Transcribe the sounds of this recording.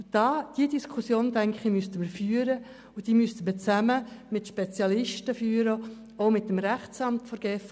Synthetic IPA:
d̥ɑːd̥idiskʰusjoːntæŋχimystəməɾfyːəɾə | ʊd̥iːmyst̪əmət͡sæməmɪtʃpɛt͡sjɑlɪʃtəfyːɾə | oʊmɪt̚ːəmɾæχt͡sɑmtfɔɾɡ̥ɛːf

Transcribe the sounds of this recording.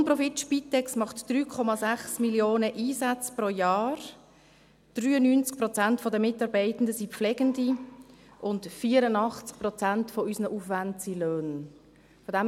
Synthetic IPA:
nprɔfitʃpitːɛksmɑχtd̥ryːkʰɔmɑzæχsmiljoːnəʔiːsat͡spɾojaːɾ | d̥ryːənynt͡sk̚prɔt͡santfɔdəmɪtɑːɾbɛɪtən̩dəsiflɛɡəndi | ʔʊntfiːəɾənɑχt͡sk̚prɔt͡santfɔysnəʔufʋantsiløːn | fɔdæm

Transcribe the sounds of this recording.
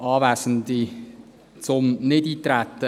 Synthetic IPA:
ɑːvæːsən̩di | t͡sʊmnɪdiːt̪ɾæt̪ə

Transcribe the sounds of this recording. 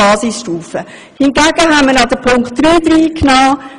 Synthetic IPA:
ɑːsisʃtuːfə | hɪnɡæɡ̥əɦætməɾɑd̪əpʰʊŋktːɾyːd̥̪ɾiːkʰnɑː

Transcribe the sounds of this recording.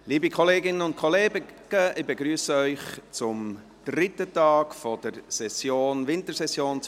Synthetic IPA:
liːbikχɔleːɡɪnənʊnt̚kʰɔleːɡəɡ̥əʔɪbeɡɾyːəsəœʏχt͡sʊm | d̪̥ɾɪt̪ətɑːkfɔd̥əɾsɛsjoːnʋɪnt̪əɾsɛsjoːnt͡s

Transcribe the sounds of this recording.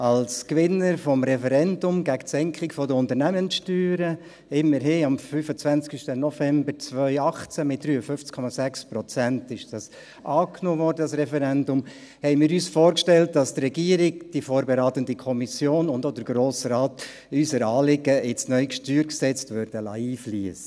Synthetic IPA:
ɑlskʋɪnːəɾfɔmɾɛfɛɾɛndʊmɡæktsɛŋkʰɪkfɔdəʊnt̪əɾnæmənsʃtyːɾə | ɪmːəɾɦɪɑmfyfət͡sʋænt͡skiʃtənɔfɛmbəɾt͡svœʏɑχt͡sæmɪt̚d̥ɾyːəfʏft͡skʰɔmɑsækspɾɔt͡sæntɪʃd̥ɑs | ʔɑːknoːvɔːrdəɑsɾɛfɛɾɛndʊm | hɛɪnmɪːɾyːsfoːɾkʃtɛlt̚d̥ɑstrɛɡiəɾɪɡ̚d̥ifoːɾbeɾaːt̪əndikʰɔmisjoːnʊndod̥̪əɾɡ̥ɾoːsɾɑːt | ysəɾɑːlɪɡəɪt͡snœʏkʃtyːɾksɛt͡stʋøɾd̥əlɑiːfliəsə

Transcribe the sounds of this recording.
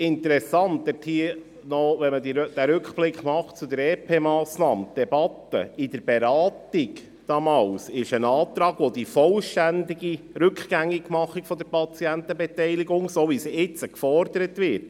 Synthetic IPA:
ɪnt̪əɾɛsɑnt̪ʋɪthiə | nɔʋɛnmədid̥æɾʉkχb̥lɪkχmɑχtt͡sud̪əɾɛːpʰeːmɑːsnɑ̰ːmd̥ɛbɑt̪ːə̰ɪdəɾbeɾɑːtɪɡ | d̥ɑmɑːwsɪʃənɑːt̪ɾɑːɡʋod̥̪ifɔlʃtænd̪iɡi | ɾɵkχɡ̥æŋːiɡmɑχːikfɔd̪əɾpʰɑt͡siænt̪əbɛtɛɪliɡʊŋsoʋisɪt͡səkfɔɾd̥̪əɾət̪ʋɪt

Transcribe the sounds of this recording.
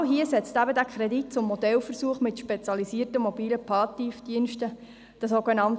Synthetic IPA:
ɦiəsɛt͡stæbədækʰχɾɛdit̚t͡sʊmːɔd̪ɛlfəɾsuəχmɪtʃpet͡sjɑlisiərtəmɔbiːləpʰɑːtifd̥iənʃtə | d̥əsoɡenɑnt

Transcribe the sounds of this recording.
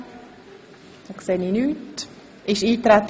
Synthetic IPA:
ɑkseːniːnyːt | ʔɪʃiːt̪ɾɛt̪

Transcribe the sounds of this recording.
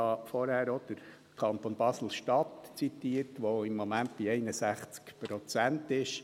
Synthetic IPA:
ɑfɔɾhæːɾɔd̪̥əɾ | kʰɑnt̪onb̥ɑsl̩ʃtɑt̪t͡sit̪iəɾtʋoɪmːomænt̚b̥iɛɪnəsæχt͡skpɾɔt͡sæntɪʃ

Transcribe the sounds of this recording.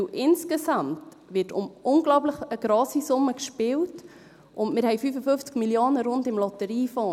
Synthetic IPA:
ʔɪnskesɑmt | ʋɪtʊmʊŋɡlɔʊpləχəɡ̥ɾɔːsisʊmːəkʃpɪwt | ʔʊndmɪːɾɦɛɪfyːfəfʏft͡skmiljoːnəɾʊndɪmlɔtəɾiːfɔː

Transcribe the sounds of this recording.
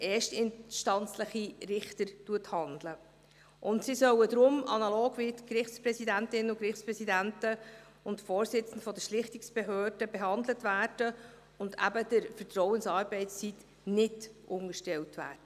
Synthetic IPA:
ʔeːʃtɪnʃtɑnt͡sləχirɪχtəɾtuəthɑndlə | ʔʊntsisœwədɾʊmɑnɑlɔːɡ̥ʋiːtkrɪχtspɾɛsidæntɪnəʊkɾɪχtt͡spɾɛsidæntə | ʊntfoːɾsɪt͡sən̩dfɔdəʃlɪχtɪksb̥eɦøːdəbeɦɑndlətvæːrd̥ə | ʊndæ̰bəd̥əɾfətrɔwənsɑːɾbɛɪst͡sit | nɪdʔʊŋəʃtɛltvæ̰ːd̥ə

